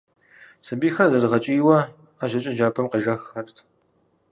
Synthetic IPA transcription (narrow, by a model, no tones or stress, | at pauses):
sɨbiːxɐzɐrʁɐt͡ʃʼiːwɐ | aːʒɐt͡ʃʼɪʒaːpʰɐmqiʒɐxɐrtʰ